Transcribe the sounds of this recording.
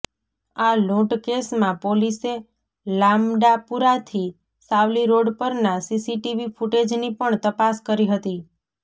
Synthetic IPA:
aloʈkesmãpolise | lamɖapuɾat̪ʰi | saʋliɾoɽpəɾnasisiʈiʋifuʈed͡ʒnipəɳt̪əpaskəɾiɦət̪i

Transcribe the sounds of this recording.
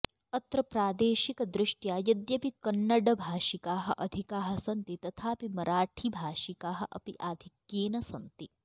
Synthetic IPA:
ɐt̪ɾɐpɾaːd̪eːʃikd̪ɾɪʂʈjaːjɐd̪jɐpikɐnːɐɖɐbʱaːʃikaːɦɐ̆ʔɐd̪ʱikaːɦɐ̆sɐnt̪it̪ɐt̪ʰaːpimɐɾaːʈʰibʱaːʃikaːɦɐ̆ʔɐ̰piʔaːd̪ʱikjeːnɐsɐnt̪i

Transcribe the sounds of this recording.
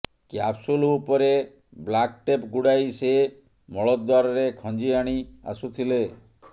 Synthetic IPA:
kjapsulupɔɾe | blakʈepɡuɽajse | mɔɭɔd̪waɾɔɾekʰɔ̃nd͡ʒiaɽ̃ia̰sut̪ʰile

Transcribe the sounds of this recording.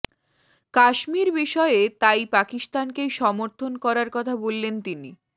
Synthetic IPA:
kaʃmiɾbiʃɔeet̪ajpakist̪ankeʃɔmoɾt̪ʰonkɔɾaɾkɔt̪ʰabolːent̪ini

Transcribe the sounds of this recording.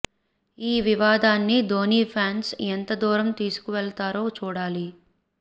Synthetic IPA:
iːʋiʋaːd̪aːnːid̪oːniːpʰaːnsent̪ɐd̪ɔːɾɐmt̪iːsu̥kuʋɛɭt̪aːɾo̞ːt͡ʃuːɽaːli

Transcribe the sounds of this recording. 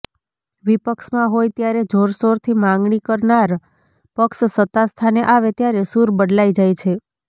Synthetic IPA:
ʋipəkʃmãɦojt̪jaɾed͡ʒʱoɾsoɾt̪ʰimãŋɡɳikəɾnaɾ | pəkʃsət̪ast̪ʰaneʔaʋet̪jaɾesuɾbəɖlaid͡ʒajt͡ʃʰe

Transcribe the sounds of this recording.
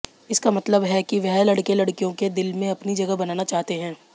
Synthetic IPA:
ɪskamɐt̪ləbɦɛkiʋɛɦlɐɽkelɐɽkijõked̪ɪlmẽɐpnid͡ʒɐɡəɦbɐnaːnat͡ʃaːɦt̪eɦɛ̃ː

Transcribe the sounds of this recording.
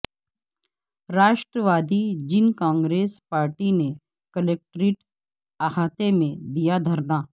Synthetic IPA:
ɾaːʃʈɾəʋaːd̪id͡ʒɪnkãːŋɡɾeːspaːɾʈine | kəleːk̚ʈɾiʈ | aɦaːt̪emẽd̪ijad̪ʱɐɾnaː

